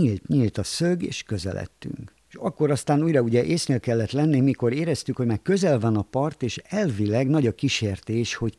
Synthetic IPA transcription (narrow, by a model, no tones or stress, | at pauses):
ilt̪ɲilt̪ɒsøɡeːʃkø̞zɛ̰lɛ̰t̪ːy̰ŋk | ʃɒkːo̞ɾɒst̪aːnuːjrɒuɟɛʔeːsneːlkɛlːɛt̪lɛnːimːiko̞ɾeːɾɛst̪ykho̞ɟmaːrkø̞zɛlvɒnɒpɒrt̪eːʃɛlvilɛɡnɒɟɒkiʃeːrt̪eːʃho̞c